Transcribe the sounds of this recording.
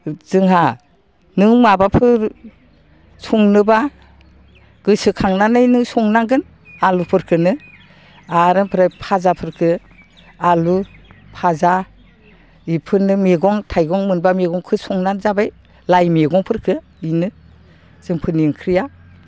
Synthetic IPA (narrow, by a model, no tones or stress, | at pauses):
z̥ɯŋɦa | nɯŋmabapʰɯɾ | suŋnɯba | ɡ̥ɯsɯkʰaŋnanɯjnɯsɔŋnaɡɯn | alupʰɯɾkʰɯnɯ | aɾɯnpʰɯɾajpʰazapʰɯɾkʰɯ | alu | pʰaza | ipʰɯnɯmeɡɔŋtʰajɡɔŋmɯnbameɡɔŋkʰɯsɔŋnanzabaj | lajmeɡɔŋpʰɯɾkʰɯ | inɯ | z̥ɯŋpʰɯniŋkʰɾija